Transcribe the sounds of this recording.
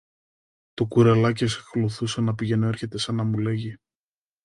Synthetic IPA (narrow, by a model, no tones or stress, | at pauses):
t̪okuɾelɐc̬isekluθusɐnɐpiʝe̞noe̞ɾçe̞t̪e̞sɐnɐmule̞ʝi